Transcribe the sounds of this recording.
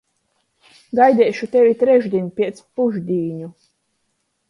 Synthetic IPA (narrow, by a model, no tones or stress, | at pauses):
ɡajd̪ʲɛːʃut̪ʲɛvʲit̪ɾɛʒd̪ʲinʲpʲiɛt̪spuʒd̪ʲiːɲu